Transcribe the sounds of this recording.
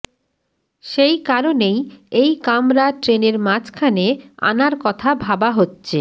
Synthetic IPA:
ʃejkaɾonejejkamɾaʈɾeneɾmat͡ɕkʰanea̰naɾkɔt̪ʰabʱabaɦotːɕʰe

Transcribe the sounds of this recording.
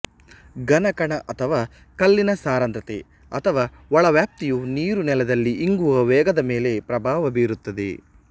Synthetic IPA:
ɡɐnɐkɐɳɐʔɐt̪ʰɐʋaː | kɐlːinɐsaːɾɐnt̪ɾɐt̪ḛ | ɐt̪ʰɐʋaː | ɔɭɐʋjaːp̚t̪ijuniːɾunɛlɐd̪ɐlːiʔiŋɡuʋɐʋɛːɡɐd̪ɐmeːle̞pɾɐbʱaːʋɐbiːɾut̪ːɐd̪ḛ

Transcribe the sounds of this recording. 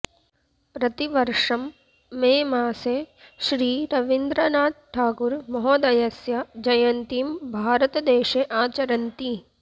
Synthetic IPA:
pɾɐt̪iʋɐɾʂɐmː | ẽːmaːseʃɾiːɾɐʋɪnd̪ɾɐnaːd̪̚ʈʰaːkuɾmɔɦɔːd̪ɐjɐsjɐd͡ʒɐjɐnt̪imbʱaːɾət̪d̪eːʃeʔaːt͡ʃɐɾɐnt̪i

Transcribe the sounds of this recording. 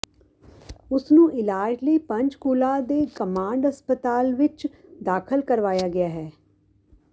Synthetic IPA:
ʊsnũːʔɪlaːd͡ʒləiːpə̃ɲt͡ʃkuːlaːd̪eːkəmãːɳɖɦəspət̪aːlʋɪt͡ʃd̪aːkʰəlkəɾʋaːjaːɡɪaːɦɛː

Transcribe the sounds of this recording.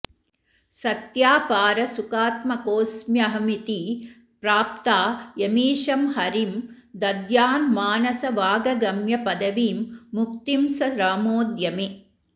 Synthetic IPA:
sɐt̪jaːpaːɾɐsukaːt̪mɐkoːsmjɐɦɐmit̪i | pɾaːp̚t̪aːjɐmiːʃɐmhɐɾim | d̪ɐd̪jaːnmaːnɐsɐʋaːɡɐɡɐmjɐpɐd̪ɐʋiːmːuk̚t̪imsɐɾaːmoːd̪jɐmi

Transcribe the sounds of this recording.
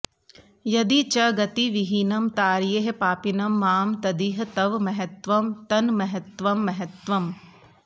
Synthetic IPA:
jɐd̪it͡ʃɐɡɐt̪iʋiɦinɐmt̪aːɾjeɦepaːpinɐmːaːmt̪ɐd̪iɦɐt̪ɐʋmɐɦɐt̪ʋɐmt̪ɐnmɐɦɐt̪ʋɐmːɐɦɐt̪ʋɐm

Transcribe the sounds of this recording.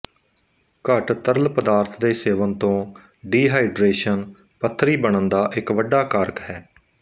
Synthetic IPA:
kəʈt̪əɾlpəd̪aːɾt̪ʰd̪eːseːʋənt̪õː | ɖiːɦaːɪɖɾeːʃən | pət̪ʰːɾiːbəɳənd̪aːʔɪkʋəɖaːkaɾkɦɛː

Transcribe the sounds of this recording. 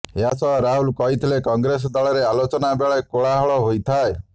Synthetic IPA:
eɦasɔɾaɦulkɔɦit̪ʰilekɔŋɡɾes̬ɔd̪aɭɔɾealot͡ʃɔnabeɭɔkoɭaɦɔɭɔɦojt̪ʰae

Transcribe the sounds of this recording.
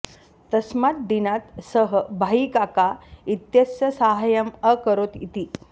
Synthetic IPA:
t̪əsmat̪̚d̪inat̪səɦəbʱaikakait̪jəsjəsaɦajəməkəɾot̪it̪i

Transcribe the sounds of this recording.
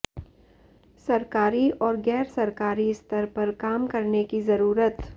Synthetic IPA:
sɐɾkaːɾiɔːɾɡɛːɾsɐɾkaːɾiɪst̪ʰəɾpɐɾkaːmkɐɾnekizɐɾuːɾət̪

